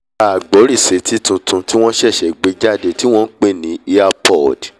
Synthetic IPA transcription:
a˨ɡ͡bɔ˨˦ɾi˦˨se˨˦tʰi˦tũ˧tũ˧ti˦w̃ɔ̃˦ʃɛ˦˨ʃɛ˨ɡ͡be˧d͡ʒa˦de˧˨ti˦w̃ɔ̃˦n̩˦k͡pe˦˨nĩ˨˦i˧a˧pɔ˦˨d

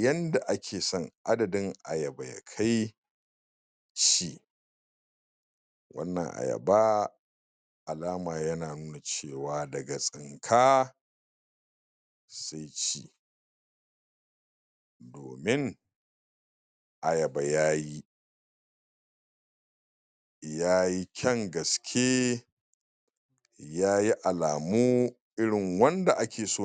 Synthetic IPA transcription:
jɐ˦nda˨ʔa˦kʲʰeː˨sɔ˦˨ŋʔa˦dɐ˨dɪ˦ŋʔa̰˨jɐ˨ba˨ja̰˨kʰa˦j | t͡ʃi˦˨ | wɐ̰˦nːɐ̰˨ŋʔa̰˨jɐ̰˨baː˦ | ʔa˨laː˦maː˨jɐ˦naː˨nuː˦na˨t͡ʃeː˦˨waː˨dɐ˨ɡa˨sʼɪ˨ŋkʰaː˦ | sa˦jt͡ʃḭː˨ | do̰ː˨mɪ˦ŋ | ʔa˨jɐ˨ba˨jaː˦ji˦ | jaː˦ji˦kʲʰɐ˦ŋɡɐ˨skʲʰeː˦ | jaː˦ji˦ʔa˨laː˨muː˦ | ʔɪ˦ɽɪ˨ŋwɐ˦nda˨ʔa˦kʲʰeː˨soː˦˨

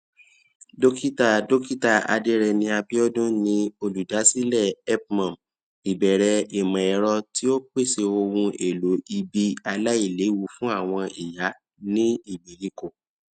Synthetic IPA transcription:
do˦ki˦ta˨do˦ki˦ta˦˨a̰˧de˦ɾɛ˧nĩ˧a˧bi˦ɔ˦dũ˦nĩ˧o˧lu˨da˨˦si˦lɛ˦˨ɛ˦p̚mã˨m | i˨bɛ˨ɾɛ˧e˨mã˨ɛ˨˦ɾɔ˧ti˦o˦k͡pe˦˨se˧o˧wũ˧e˨lo˨˦i˧bi˧a˧la˦i˦˨le˨˦wu˦˨fũ˦a˦˨w̃ɔ̃˧i˨ja˨˦ | nĩ˦i˦˨bi˨li˦˨ko˨

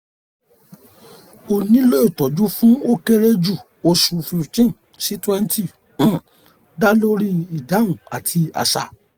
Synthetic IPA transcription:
o˨nĩ˨˦lo˦i˦˨tɔ˨d͡ʒu˦fũ˦o˦ke˦ɾe˦d͡ʒu˦˨ | o˧su˧fi˧˨ftĩ˦ | si˨˦twɛ˦n˦ti˦˨ | ũ˦˨ | da˦lo˦ɾi˦i˨da˨˦ũ˨a˨tʰi˧a̰˨sa̰˨

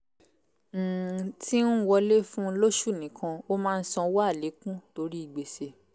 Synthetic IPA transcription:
ti˦ũ˦wɔ˧le˦fũ˦˧˦lo˦ʃu˦˨nĩ˨˦kʰã˧o˦mãː˦˧n̩˦sɔ̃˧wa˦˨le˨˦kũ˦to˨˧ɾi˦i˦˨ɡ͡be˨se˨

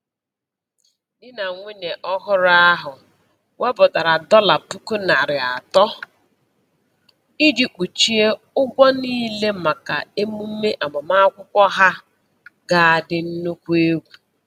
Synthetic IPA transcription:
dɪ˦na˨ŋʷe˦ɲe˨ʔɔ˦ɦʊ˦ɾa˦ɦʊ˨ | we˦bʊ˨da˨ɾa˨dɔ˦la˨pu˦ku˦na˨ɾɪ˨a˨tɔ˦ | i˦di˦k͡pu˨t͡ʃi˦e˦ | ʊ˦ɡʷɔ˦niː˦le˦ma˨ka˨e˦mu˦m̩˦me˦ʔa˨mʊ˨ma˦kʷʊ˦kʷɔ˦ɦa˦ | ɡa˨a˨dɪ˦n̩˦nu˦kʷu˦e˦ɡʷu˨

